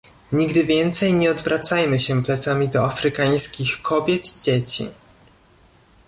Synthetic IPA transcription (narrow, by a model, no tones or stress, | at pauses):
ɲiɡd̪ɘvʲjɛnt̪sɛjɲɛɔd̪vɾʔat̪sajmɘɕɛplɛt̪samʲid̪ɔafɾɘkaj̃skʲixkʰɔbʲjɛt̪id͡ʑet͡ɕḭ